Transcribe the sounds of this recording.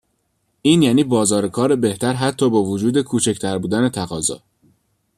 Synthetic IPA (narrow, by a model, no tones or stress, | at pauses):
ʔiːnjæːniːbɒːzɒːɾekʰɒːɾe̞be̞ht̪ʰæɾɦæt̪ʰːɒːbɒːvod͡ʒuːd̪e̞kʰuːt͡ʃʰect̪ʰæɾbuːd̪æne̞t̪ʰæɣɒːzɒ̰ː